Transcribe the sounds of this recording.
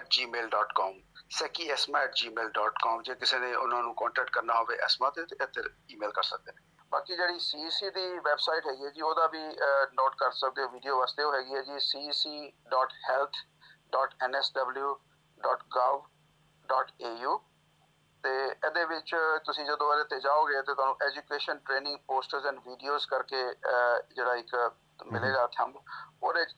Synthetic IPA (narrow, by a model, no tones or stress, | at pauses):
ɛːʈ̚d͡ʒiːmeːlɖɔːʈkɔːmsɛːkiːɛːsmaːɛːʈd͡ʒiːmeːlɖɔːʈkɔːmd͡ʒeːkɪseːnẽːʔʊnãːnũːkɔ̃ːɳʈɛːk̚ʈ̚kəɾnaːɦoːʋeːʔɛ̰ːsmãːt̪et̪eʔet̪əɾ | iːmeːlkəɾsək̚d̪eːe | baːkid͡ʒeːɽiːsiːsiːd̪iːʋɛːbsaːiʈɦɛːɡiːɦɛːd͡ʒiːoːd̪aːbiːnoːʈ̚kəɾsək̚d̪eːoːʋiːɖijoːʋaːst̪eːoːɦɛːɡiːɦɛːd͡ʒiːsiːsiːɖɔːʈhɛːlt̪ʰ | ɖɔːʈɛːnɛːsɖəbljuː | ɖɔːʈkaːʋ | ɖɔːʈeːjuː | t̪eːɛd̪eːʋɪt͡ʃt̪ʊsĩːd͡ʒəd̪õɛdeːt̪eːd͡ʒaːoːɡeeːt̪eːt̪ʊaːnũːʔɛːd͡ʒukeːʃənʈɾeːnɪ̃ŋɡpoːsʈəɾzɛ̃ːɳɖʋiːɖijoːzkəɾkeːd͡ʒeːɽaːɪk | mɪleːd͡ʒaːt̪ʰə̰mboːd̪